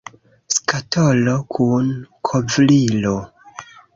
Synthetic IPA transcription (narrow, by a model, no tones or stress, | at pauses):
skatolokʰunkʰovlilo